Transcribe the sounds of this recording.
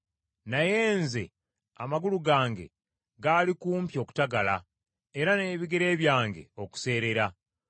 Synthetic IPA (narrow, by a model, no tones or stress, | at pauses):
naje̞ːnze̞̰ | amaɡuluɡaːŋɡe̞̰ | ɡaːlikuːmpjo̞ːku̥taɡala | eɾane̞ːβiɡe̞ɾe̞ːβjaːŋɡe̞̰o̞ku̥se̞ːɾe̞ɾa